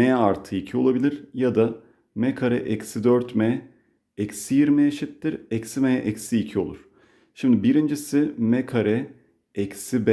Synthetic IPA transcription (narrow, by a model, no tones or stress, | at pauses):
ɛaɾt̪ʰɯicʰio̞lˠabilʲiɾ̥jad̪a | mɛkʰaɾɛʔɛcsid̪øɾt̪mɛ | ɛcsijiɾmɛjeʃit̪ːiɾɛcsimɛʔɛcsiːcʰio̞lˠuɾ̥ | ʃimd̪ibiɾind͡ʒisimɛkʰaɾɛ | ɛcsibɛ